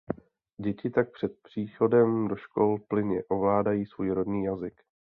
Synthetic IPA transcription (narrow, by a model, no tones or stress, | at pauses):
ɟɛcɪt̪ak̚pr̝̥ɛt̪̚pr̝̥iːxo̞dɛmdo̞ʃko̞lplɪɲɛʔo̞vlaːdajiːsvuːjɾodniːjazɪk